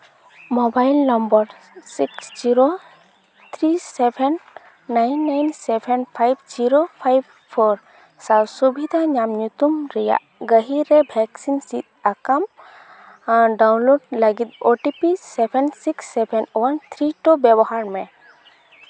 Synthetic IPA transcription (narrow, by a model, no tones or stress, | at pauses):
mɔbajlnambəɾ | siksd͡ʒiɾo | t̪ʰɾisɛbʰʱɛnː | ajnːajnsɛbʰʱɛnpʰajbd͡ʒiɾopʰajb̚ | pʰɔɾ | salsubʱid̪ʱaɲamɲut̪umɾɛja̰ʔɡəɦiɾɛbʱɛksinsit̪̚akam | ɖawnloɖ̚ləɡit̪̚oʈipisɛbʰʱɛnsiksːɛbʰʱɛnwant̪ʰɾiʈɔbɛbɔhaɾmɛ